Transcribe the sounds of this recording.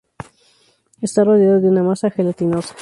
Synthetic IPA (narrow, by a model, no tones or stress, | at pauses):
est̪aroðeaðoðeunamasaxelat̪inosḁ